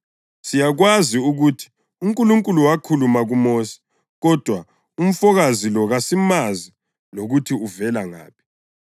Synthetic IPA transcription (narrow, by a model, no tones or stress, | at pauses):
sijaɣwaziuɣuːtʰi̥ | uŋkʼuluŋkʼuluwakʰulumaɣumoːsi̥ | ɣɔd̥ʱwa | um̩fɔɣazilɔɣasimazi | loɣutʰiuvɛlaŋa̰ːpʰi̥